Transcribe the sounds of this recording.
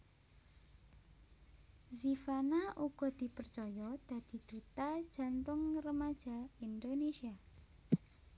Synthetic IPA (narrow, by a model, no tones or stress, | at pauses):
zifanaʔuɡ̥ɔ̤d̪̥i̤pərt͡ʃɔjɔd̪̥ä̤d̪̥i̤d̪̥ut̪ad̥ʒ̥a̤nt̪ʊŋrəmad̥ʒ̥a̤ind̪onesia